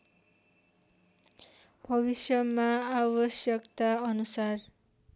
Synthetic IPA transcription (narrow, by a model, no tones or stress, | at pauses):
bʱʌβisjʌmaabʌsjʌkt̪aʌnusar